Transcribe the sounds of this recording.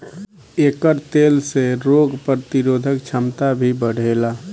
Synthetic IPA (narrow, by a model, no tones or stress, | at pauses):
eːkəɾt̪eːlseɾoːɡpɾət̪ɪɾoːd̪ʱəkt͡ʃʰəmt̪abʱibəɽ̤eːla